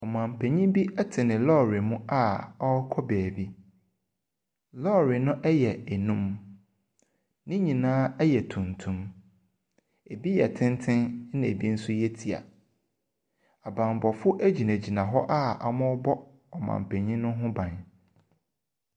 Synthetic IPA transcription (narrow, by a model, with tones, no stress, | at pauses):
ɔ˨mã˨m̩˨pʰɛ˨ɲĩ˦bi˦ɛ˦tʰɪ˨nɪ̃˨lɔ˦ɾi˨mʊ̃˦ʔa˦˨ɔ˦kʰɔ˦bɛː˨bi˦ | lɔ˦ɾɪ˨nʊ̃˦ʔɛ˦jɛ˨ɛ˨nũ˦m | nɪ̃˦ɲĩ˨nãː˦ɛ˦jɛ˨tʰũ˨ntʰũ˦m | e˨bi˦jɛ˨tʰɪ̃˦ntʰɪ̃˦n˦nɪ̃˨e˨bi˦n̩˦sʊ˦jɛ˦tʰi˨a̰˨ | a˨bã˨m˨bɔ˨fʊ˦ʔæ˦d͡ʑi˨næ̃˨d͡ʑi˨nã˨ɦɔ˦ʔa˦a̰˨mʊ̃˦bɔ˦ | ɔ˨mã̰˨m̩˨pʰɛ˨ɲĩ˦nʊ̃˦ɦʊ̃˦bã˨n